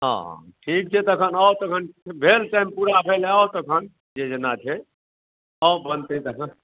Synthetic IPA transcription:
ɦã̰ʈʰik̚t͡ʃʰɛt̪əkʰənət̪əkʰənbʱelʈaɪmpuɾabʱelət̪əkʰən | d͡ʒed͡ʒənat͡ʃʰɛ | əbənt̪et̪əkʰən

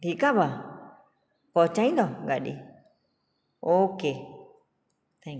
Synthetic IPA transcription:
t̪ikaβa | kot͡ʃãĩnd̪oɡaɗḭ | oke | t̪ã

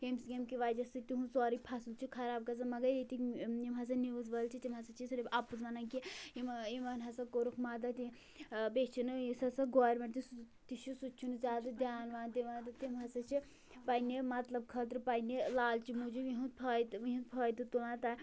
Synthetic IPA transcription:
ɡemsɡemkiʋaːjd͡ʒɐsɨt̪iɦũsɔːɾipʰɐsult͡ʃʰikʰɐɾaːb̚kɐzɐmɐɡɐjd̪it̪iimɦɐs̬ɐniʋuzʋɐlt͡ʃʰit̪imɦɐsɐt͡ʃʰisuɾebʔapuzʋɐnɐnkiimimɐnɦɐsɐkoɾukʰmaːd̪ɐt̪i | bet͡ʃʰinɨisɐsɐɡoːɾmeʈt̪is | t̪iʃusut͡ʃʰunɨzʲaːd̪ɐd̪ʲjaːnʋaːnd̪iʋant̪ɐt̪imɦɐsɐt͡ʃʰi | pɐjnimɐt̪lɐb̚kʰɐt̪̬ɾɨpɐjnilaːlt͡ʃʰimud͡ʒuiɦũt̪pʰɐd̪ʋiɦũnt̪̚pʰɐːjd̪ɨt̪ulãnt̪ɐ

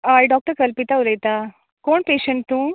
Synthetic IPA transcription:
ajɖɔːk̚ʈəɾkəlpit̪auləjt̪a | koːɳpeɕəɳʈt̪ũː

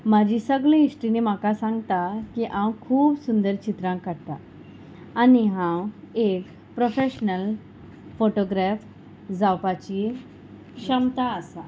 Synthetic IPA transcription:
mad͡ʑisəɡɭẽisʈɾinem̤akasãŋɡt̪akiʔãwkʰuːbsund̪əɾt͡ɕit̪ɾãŋkːaɽt̪a | aniɦãw | ek | pɾofeɕnəl | foʈoɡɾaf | d͡zawpat͡ɕi | kʂəmt̪aəsa

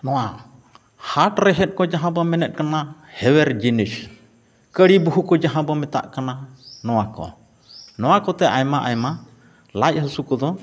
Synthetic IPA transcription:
nɔwa | haʈɾɛɦɛt̪̚ˀkɔd͡ʒaɦãbɔmɛnɛt̪̚kanahɛwɛɾd͡ʒinis | kəɽibuɦukɔd͡ʒaɦãbɔmɛt̪a̰ʔkananɔwakɔ̰ | nɔwakɔt̪ɛʔajmaʔa̰jma | laj̚husukɔd̪ɔ

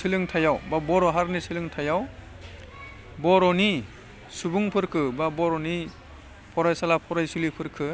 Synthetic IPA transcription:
sɯlɯŋtʰajawbabɔɾɔɦaɾnisʰɯlɯŋtʰajaw | bɔɾɔni | subuŋpʰɯɾkʰɯbabɔɾɔni | pʰɔɾajsalapʰɔɾajsulipʰɯɾkʰɯ

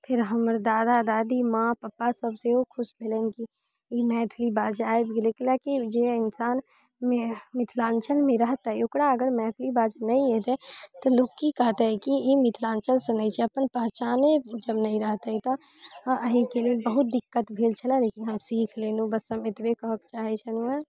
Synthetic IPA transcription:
pʰɪɾɦəməɾd̪aːd̪ad̪aːd̪imãːpəpːasəbseɦokʰʊsbʱelenki | emɛːt̪ʰlibaːd͡ʒaːebkeleklakid͡ʒeɪnsaːn | emɪt̪ʰlãːnt͡ʃəlmẽɾəɦt̪aɦɛʊkɽaəɡəɾmɛ̃ːt̪ʰlibaːd͡ʒnɐɦĩet̪ɛt̪oloːɡkikəɦt̪eɦɛkiemɪt̪ʰlãːnt͡ʃəlsenəit͡ʃʰɛəpənpəɦt͡ʃaːned͡ʒəbnəĩɾəɦt̪aɦit̪o | ʔəɦikeliebəɦʊt̪̚d̪ɪkːət̪bʱeːlt͡ʃʰəlaleːkɪnɦəmsiːkʰleːnũbəsəmɪt̪bekəɦəkt͡ʃaːɦit͡ʃʰənuɛ

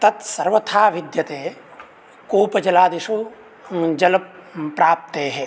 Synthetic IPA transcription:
t̪ɐt̪sɐɾʋɐt̪ʰaːʋid̪jɐt̪eː | koːpɐd͡ʒɐlaːd̪iʃu | d͡ʒɐlɐppːɾaːp̚t̪eːɦɛ

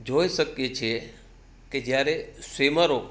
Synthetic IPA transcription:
d͡ʒojʃəkjet͡ʃʰe | ked͡ʒjaɾeseməɾo

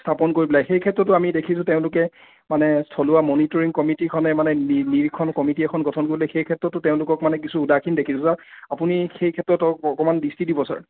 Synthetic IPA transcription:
stʰapɔnkoɹibɔlajxejkʰɛtɹɔtːʊamidekʰisʊ̃teʊ̃lʊkɛ | manɛstʰɔlʊwamɔnitɔɹiŋkɔmitikʰɔnɛmanɛiniɹikʰɔnkɔmitiɛkʰɔnɡɔtʰɔnkoɹibɔlajxejkʰɛtɹɔtːʊteʊ̃lʊkɔkmanɛk̬isuːdakʰindekʰisʊ̃saɹapunixejkʰɛtɹɔtɔɔkɔmandistidibɔsa̰ɹ

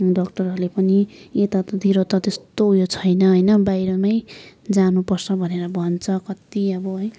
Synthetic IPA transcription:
ɖʌkʈʌrɦʌɾulepʌniet̪at̪ʌd̪ʱiɾot̪ʌt̪est̪oɦujot͡sʰʌjnʌɦʌjnʌbajɾʌmʌjd͡zanupʌrt͡sʰʌbʱʌneɾʌbʱʌnt͡sʰʌkʌt̪iʌbʌɦʌj

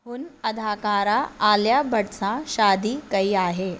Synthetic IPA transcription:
ɦuːnɐd̪ʱaːkaːɾaaljabʱəɽsãɕaːd̪iːkəiaːɦe

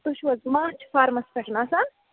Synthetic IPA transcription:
t̪uʃwɐzmãːt͡ʃʰfaːɾmɐspɐʈʰnaːsaːn

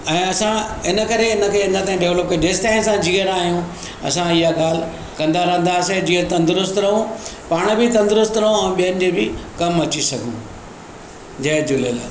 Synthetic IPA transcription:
ɛ̃ːɐsãɪnə̆kɐɾeɪnə̆kʰeːɪnə̆t̪aːĩɖeːʋləp̚kɐɖɪsʈ̪aːnsãd͡ʑiːɦəɾaːɦijũ | ɐ̰sãijaɡaːl̤ | kɐ̃nd̪aɾɐɦə̃nd̪aːsed͡ʑiːət̪ɐ̃nd̪ɾʊst̪ɾɐɦũpaːɽ̃bɪt̪ɐ̃nd̪ʊɾʊst̪ɾɐɦũɛ̃ːɓijənɪ̆d͡ʑeːbɪkɐmɐt͡ɕisɐɡʱũ | d͡ʑɐd͡ʑʊlela̰ː

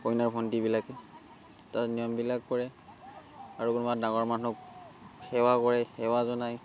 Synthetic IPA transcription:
kojnaɹpʰɔndibilakɛ | tatnijɔmbilakːɔɹɛ | aɹukunbadaŋɔɹmanʊk | xɛwakɔɹɛxɛwazɔnaj

